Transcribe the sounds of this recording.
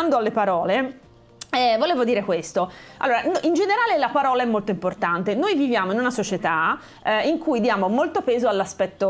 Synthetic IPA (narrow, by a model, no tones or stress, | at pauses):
and̪oalːepaɾɔːle | ɛvoleːvod̪iːɾekwest̪oa̰lːoːɾanʔind͡ʒeneɾaːlelapaɾɔːlaɛmːolt̪oimport̪ant̪enojvivjaːmoinunasot͡ʃet̪a | iŋkujd̪jaːmomolt̪opɛːzoalːaspɛt̪ːo